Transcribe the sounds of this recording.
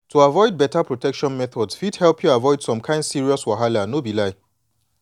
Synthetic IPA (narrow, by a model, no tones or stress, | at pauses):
tuavɔɪd̚bɛtapɹɔtɛkʃɔ̃nmɛθɔdsfidhɛlpʰjuavɔɪd̥sɔ̃mkʰãɪ̃ndsiɹiɔswaɦalanobilaɪ